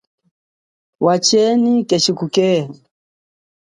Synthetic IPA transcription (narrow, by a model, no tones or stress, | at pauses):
wʔat͡ʃɛnikɛʃikukɛ